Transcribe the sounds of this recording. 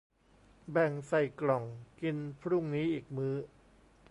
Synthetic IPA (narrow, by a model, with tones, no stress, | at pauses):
bɛ˨˩ŋsa˨˩jklɔ˨˩ŋki˧npʰɾu˥˩ŋniː˦˥ʔiː˨˩k̚mɯː˦˥